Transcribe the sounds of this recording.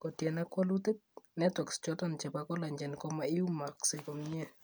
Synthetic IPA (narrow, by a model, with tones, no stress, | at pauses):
kɔ˨tjɛ˨nakwɔ˦lute˦t̚nɛtwɛ˨kst͡ʃɔtɔnt͡ʃɛ˨pakɔ˦la˨ɲd͡ʒɛ˨nkɔ˦maɪ˦u˦ma˨ksekɔ˨mɲɛ